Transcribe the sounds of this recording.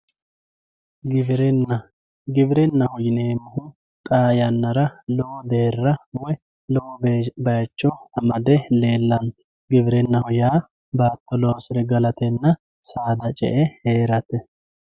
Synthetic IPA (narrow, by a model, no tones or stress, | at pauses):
ɡɪbɪɾɛnːɐ | ɡɪbɪɾɛnːɐhɔjɪneːmʊhʊ | t̪ʼaːjɐnːɐɾɐlɔwɔd̪e̞ːrːɐwɔj | lɔwɔbbɐjt͡ʃːɔɐmɐd̪ɛle̞ːlːɐn | ɡɪbɪɾɛnːɐhɔjaː | baːt̪ːɔloːsɪɾɛɡɐlɐt̪ɛnːɐ | saːd̪ɐt͡ʃʼɛ̰ʔɛheːɾɐt̪ɛ